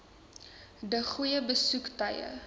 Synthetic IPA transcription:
dəχujəbəsuktɐjə̰

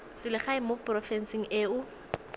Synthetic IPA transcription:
sɪlɪχaɪmoprɔfɛnsiŋ̩eːʊ

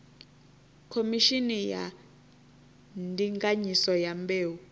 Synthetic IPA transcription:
kʰomiʃinija̰ | ndʼiŋɡʼaɲisɔjambeːwu

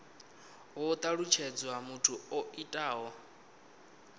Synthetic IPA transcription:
ɦɔt̪ʼaɺut͡ʃʰɛd͡zwamutʰuoitʼaːɦɔ

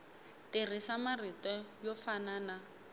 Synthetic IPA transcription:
tir̤isamaritɔjɔfanaːna

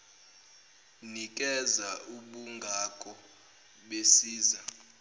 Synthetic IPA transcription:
nikʼɛzauɓuŋɡʱakʼɔ | ɓesiːza

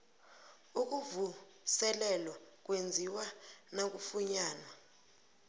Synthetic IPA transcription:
uk̬uvu | sɛlɛlɔk̬wend͡zʱiwanak̬ufuɲaːnwa

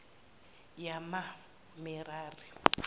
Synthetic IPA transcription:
jama | mɪɾaːri

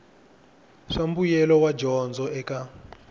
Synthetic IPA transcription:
ʂambujɛlɔwad͡ʒɔnd͡zɔʔɛka

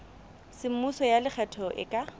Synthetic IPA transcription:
sɪmusɔjalɪk͡xʰɛtʰɔʔɪ̰kʼa

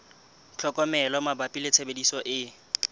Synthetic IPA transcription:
t͡ɬʰɔkʼɔmɛlɔmabapʼilɪt͡sʰebedisɔʔɪ

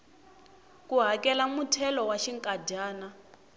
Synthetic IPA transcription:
kuɦakɛlamutʰɛlɔwaʃiŋkʼadaːna

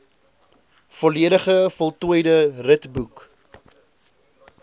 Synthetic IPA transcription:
fɔliəɾəχəfɔlˠtuəjdərətbuk

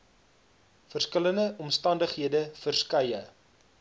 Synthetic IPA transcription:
fərskələndəʔɔmstɐndəχɦiədəfərskɐjə

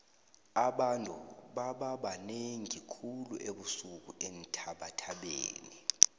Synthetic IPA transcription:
aɓantʼṵɓaɓaɓaneŋikʰuluʔeɓusuk̬uʔen̩tʰaɓatʰaɓḛːni

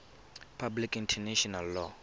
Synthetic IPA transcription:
pʰablikintʰɛneʃɔnalːɔ

